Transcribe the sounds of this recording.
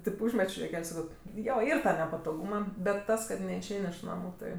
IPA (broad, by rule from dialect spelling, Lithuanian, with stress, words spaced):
tʲeːp ˈuːʒʲmʲɛt͡ʃʲoː juɔˈkʲɛlʲ ˈsɑːkoː ˈjoː ˈiːr ˈtɑː nʲɛpɐtoːˈɡuːmɐ bʲɛt ˈtɐs kɐt nʲɛɪʃʲˈɛɪnʲ ɪʃ ˈnɑːmʊ ˈtɐɪ